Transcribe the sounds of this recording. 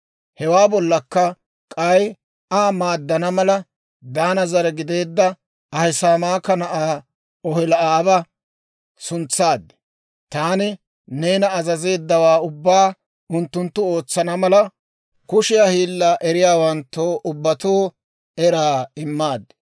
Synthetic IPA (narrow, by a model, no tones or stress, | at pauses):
hɛwaːbɔlːɐkːɐ | kʼɐj | amaːd̪ːɐnɐmɐlɐ | d̪aːnɐzɐɾɛɡɪd̪e̞ːd̪ːɐ | ɐhɪsaːmaːkːɐnɐʔaː | ɔhɪlɐʔaːbɐ | sʊnt͡sːaːd̪ːɛ̥ | t̪aːnɪ | ne̞ːnɐːzɐze̞ːd̪ːɐwaːʊbːaː | ʊnt̪ːʊnt̪ːʊo̞ːt͡sːɐnɐmɐlɐ | kʊʃɪjahiːlːɐʔɛɾɪjaːwɐnt̪ːoʔʊbːɐt̪oː | ɛɾaːɪmːaːd̪ːɛ̥